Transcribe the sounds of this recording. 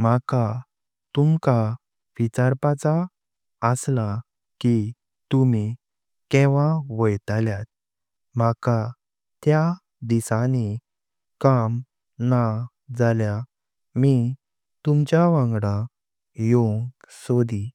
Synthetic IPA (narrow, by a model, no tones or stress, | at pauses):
m̤aka | t̪umka | ʋit͡ɕaɾpat͡sa | əsla | ki | t̪umi | kɛʋaʋəjt̪aljat̪̚ | maka | t̪ja | d̪isani | kam | na | d͡zalja | mi | t̪umt͡ɕjaʋãŋɡɽa | joŋɡsod̪i